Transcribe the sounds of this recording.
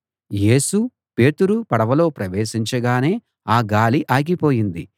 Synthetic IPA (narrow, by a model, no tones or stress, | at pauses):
jeːsu | pe̞ːt̪uɾupɐɽɐʋɐlo̞ːpɾɐʋeːʃiɲt͡ʃɐɡaːne̞ː | aːɡaːliʔaːɡipo̞ːjind̪i